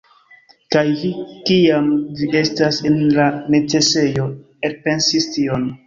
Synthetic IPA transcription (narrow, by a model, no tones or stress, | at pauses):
kajvikiamvie̞stasenlane̞t͡se̞se̞jo̞ | e̞ɾpe̞nsistio̞n